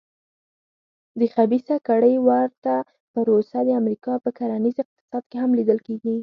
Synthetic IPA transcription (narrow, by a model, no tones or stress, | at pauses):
d̪əxabisakaɽəjwaɾt̪a | pəɾosad̪əamɾikɑpəkaɾanizɪq̚t̪ɪ̥sɑd̪keɦamlid̪əlkeɡi